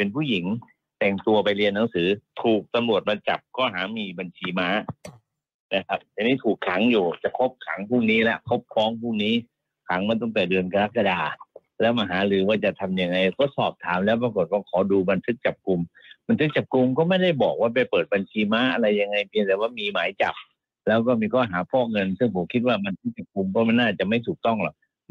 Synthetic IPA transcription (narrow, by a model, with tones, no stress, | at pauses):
pe˧npʰuː˥˩ji˩˦ŋ | t̪ɛ˨˩ŋt̪u˧ɐpa˧jli˧ənːa˩˦ŋsɯː˩˦t̪ʰuː˨˩k̚t̪a˧mlu˨˩ət̪̚ba˧nt͡ɕa̰˨˩p̚kɔː˥˩ɦa̰ː˩˦miː˧ba˧nt͡ɕʰiː˧maː˦˥ | na˦˧kʰa˦˥p̚t̪a˧niː˦˥˩t̪ʰuː˨˩kʰːa˩˦ŋjuː˨˩t͡ɕa˨˩kʰo˦˥p̚kʰa˩˦ŋpʰuː˥˩ŋniː˦˥la˦˥ʔkʰo˦˥p̚kʰɔː˦˥˩ŋpʰuː˥˩ŋ̚niː˦˥ | kʰa˩˦ŋma˧nt̪̬ɔ˥˩ŋt̪ɛː˨˩dɯ˧ənka˧ɾa˦˥˩ka˧daː˧ | lɛː˦˥wma˧˩ɦaː˩˦lɯː˩˦waː˧˩t͡ɕa˨˩t̪ʰa˧mja˧ŋːa˧jkɔː˥˩sɔː˨˩p̚t̪ʰaː˩˦mlɛː˦˥wp̬a˧ko˨˩t̪̚waː˧˩kʰɔː˩˦duː˧ba˧nt̪ʰɯ˦˥k̚t͡ɕa˨˩p̚ku˧mba˧nt̪ʰɯ˦˥k̚t͡ɕa˨˩p̚ku˧mkɔː˥˩ma˥˩jda˥˩jbɔː˨˩k̚waː˥˩p̬a˧˩jpɤː˨˩t̪̚ba˧nt͡ɕʰiː˧ma˦˥ʔa˧ɾa˧jːa˧ŋːa˧jpʰi˧ənt̪ɛː˨˩waː˥˩miː˧maː˨˦jt͡ɕa̰˨˩p̚ | lɛː˦˥wkɔː˥˩miː˧kʰɔː˥˩ɦaː˩˦pʰɔː˥˩ŋɤ˧nsɯ˥˩ŋpʰo˨˦mkʰi˦˥t̪̚waː˥˩ba˧nt̪ʰɯ˦˥k̚t͡ɕa˨˩p̚ku˧mkɔː˥˩ma˧˥˩nːaː˥˩t͡ɕa˨˩ʔma˥˩jt̪ʰuː˨˩k̚t̪ɔ˥˩ŋlɔ˨˩k̚